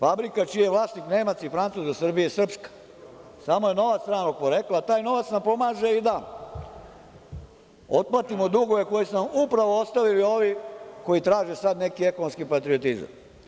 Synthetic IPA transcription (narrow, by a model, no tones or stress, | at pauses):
fabɾikat͡ʃijeʋlˠaːsnikneːmat̪sifɾant̪suzasr̩bijesr̩pskḁ | samoje̞no̞ʋat̪sɾaːnok̚poɾe̞klat̪aːjno̞ʋat̪nampo̞maːʒe̞id̪a | ot̪̚plat̪imod̪uɡo̞ʋe̞ko̞jisnamupɾaʋoost̪aʋilio̞ʋiko̞jit̪ɾaːʒesad̪ne̞kie̞konnskipat̪ɾio̞t̪iza̰m